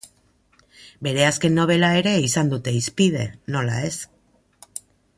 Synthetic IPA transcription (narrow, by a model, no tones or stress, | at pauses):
be̞ɾe̞aske̞nːo̞β̞e̞lae̞ɾe̞isand̪ut̪e̞ispið̞e̞no̞lae̞s